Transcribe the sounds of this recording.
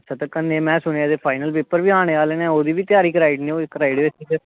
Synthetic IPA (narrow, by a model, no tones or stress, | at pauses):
sʰat̪əkənːemɛ̃ːsʊñeːd̪eːpʰaːɪnəlpeːpəɾbiːaːɳ̃eːaːleːnɛ̃ːoːd̪iːbiːt̪ɪjaːɾiːkɾaːɪɖneːoɪkːɾaːɪiɖʋeːsiːd͡ʒ